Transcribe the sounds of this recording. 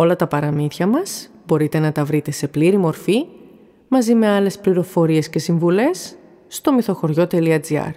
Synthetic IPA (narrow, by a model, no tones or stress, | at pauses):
o̞lɐt̪ɐpɐɾɐmiθçɐmɐs | bo̞ɾit̪e̞nɐt̪ɐvɾit̪e̞se̞pliɾimo̞ɾfi | mɐzime̞ɐle̞spliɾo̞fo̞ɾie̞sce̞siɱvule̞sː | t̪o̞miθo̞xo̞ɾʝo̞t̪e̞liɐd͡ziɐ̰ɾ